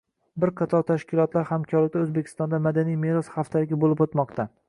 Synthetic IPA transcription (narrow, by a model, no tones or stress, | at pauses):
bɪɾqʰɑt̪ʰɒt̪ʰaʃkʲɪlˠɒt̪laɾhamkʲʰɒɾlɪk̚ʲd̪aɵzbekʲʰɪst̪ɒnd̪amad̪anijmeɾɒshaft̪ʰalɪɡʲabolɪpot̪mɒqt̪ʰa